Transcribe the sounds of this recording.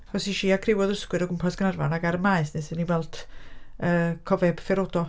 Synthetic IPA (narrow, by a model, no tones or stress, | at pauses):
hɔsiʃiakʰrɪwɔðrəskwɨɾɔɡʊmpʰɔsɡ̥ənarvanaɡaɾəmaɨsnesəniwɛlˠdʰ | əːkʰɔvɛb̥fɛɾodɔ